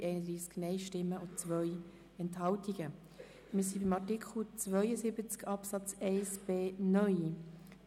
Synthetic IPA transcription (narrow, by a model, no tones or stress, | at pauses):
ʔɛɪnəd̪ɾiːsknɛɪʃtɪmːəʊt͡svœj | ɛnthɑltiɡ̥ə | mɪːsibimɑtikʰχl̩t͡svœʏəsɪbət͡skʰɑpsɑt͡sɛɪsb̥eːnœʏj